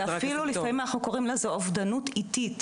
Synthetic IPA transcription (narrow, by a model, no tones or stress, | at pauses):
afilulifamimanaχnukoʁimlezoavd̪anutitit